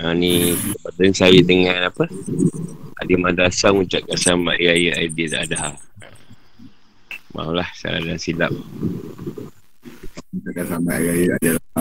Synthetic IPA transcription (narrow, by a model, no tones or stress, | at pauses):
anikəpadənsajət̪əŋanapə | a̰dimadasaŋut͡ʃaʔkasamaʔiajəadidadaɦala | ma̰ɦulahsa̰a̰daasila̰p̚ | ut͡ʃaʔkasamaʔajəa̰da